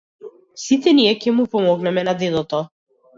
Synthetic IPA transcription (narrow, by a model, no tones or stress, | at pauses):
sit̪ɛniɛkʲɛmupɔmɔɡnɛmɛnad̪ɛd̪ɔt̪ɔ